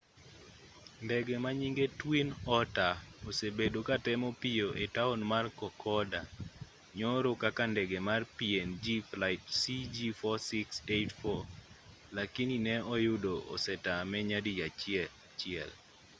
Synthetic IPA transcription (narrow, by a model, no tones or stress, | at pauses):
ndɛɡemaɲiŋɡetwinɔtaosebedokatɛmɔpijoʔetaonmarkɔkʰɔda | ɲɔɾokakandɛɡemarpiend͡ʒiflaɪtsid͡ʒifɔsɪksetfɔ | lakininɛɔjʊdoʔɔ̰sɛtamɛɲadija | t͡ʃɪɛ̰l